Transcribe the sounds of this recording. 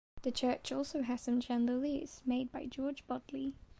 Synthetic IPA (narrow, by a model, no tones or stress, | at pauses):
ðət͡ʃʰɜˑt͡ʃɔˑlˠsoʊɦəz̥sʌ̃md͡ʒæ̃ndəliz̥meɪd̚baɪd͡ʒɔːd͡ʒbɒdˡli